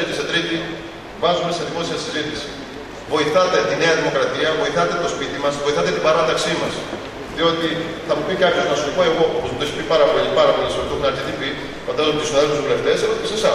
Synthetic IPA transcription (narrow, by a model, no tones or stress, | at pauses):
et̪eset̪ɾit̪i | vɐzume̞se̞ðimo̞siɐsizit̪isi̥ | vo̞iθɐt̪e̞t̪ine̞ɐðimo̞kɾɐt̪iɐvo̞iθɐt̪e̞t̪o̞spit̪imɐsvo̞iθɐt̪et̪ibɐɾɐt̪ɐksimɐs | ðio̞t̪iθɐmupikɐɾt̪çoznɐsoipoeɣo̞pozmut̪oeçipipɐɾɐpo̞ʎipɐɾɐpo̞lisoot̪oxunɐɾcet̪ipi | fod̪ɐsɐmt̪usinɐðeozvuleft̪e̞selopisisɐ